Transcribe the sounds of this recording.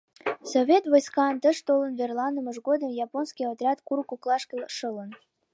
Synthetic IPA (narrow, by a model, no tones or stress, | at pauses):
sovʲet̪vojskɑnt̪əʃt̪olənverlˠɑnd̪əməʒɣod̪əmjɑponskʲiot̪ɾʲɑt̪kuɾkuklˠɑʃkʲəlʃələn